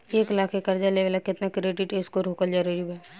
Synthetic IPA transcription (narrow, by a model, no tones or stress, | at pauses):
eːklaːkʰekɐɾd͡ʒaleːʋəlɛkɪt̪nakɾeːɖɪʈeːskoɾoːkəld͡ʒaɾeɖjuɛ